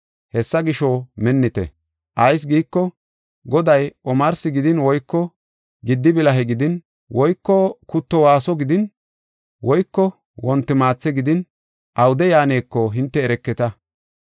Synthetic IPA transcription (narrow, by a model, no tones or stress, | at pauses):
hɛsːɐɡɪʃomɛnːɪt̪ɛ̰ | ʔɐjs̬ɡiːkːɔ | ɡɔd̪ɐjʔɔmɐɾsɪɡɪd̪ɪnwɔjkːɔ | ɡɪd̪ːɪbɪlɐɦɛɡɪd̪ɪn | wɔjkːɔkʊt̪ːɔwaːsɔɡɪd̪ɪn | wɔjkːɔ | wɔnt̪ːɪmaːt͡sːɛɡɪd̪ɪn | ʔɐwʊd̪ɛjaːneːkːɔɦɪnt̪ːɛːɾɛkːɛt̪ɐ